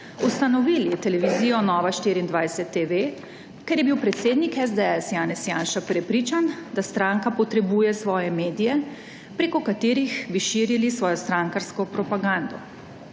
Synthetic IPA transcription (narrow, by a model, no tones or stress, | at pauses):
ust̪anɔʋiːlit̪ɛlɛʋiziːjɔnɔːʋaʃt̪iɾiːnd̪ʋajsɛt̪ːeʋe | kɛɾjɛbiwpɾɛt̪seːd̪nikɛzd̪eɛsjaːnɛsjaːnʃapɾɛpɾiːt͡ʃand̪ast̪ɾãːŋkapɔt̪ɾɛbuːjɛsʋɔːjɛmeːd̪ijɛ | pɾekɔkat̪eːɾixbiʃiːɾilisʋɔːjɔst̪ɾaŋkaɾskɔpɾɔpaɡãnd̪ɔ